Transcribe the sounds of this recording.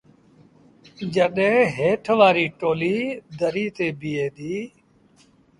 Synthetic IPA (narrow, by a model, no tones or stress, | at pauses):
d͡ʒəɗẽːɦeːʈʰʋaːɾiːʈoːliːd̪ʱəɾiːt̪eːbɪjeːd̪iː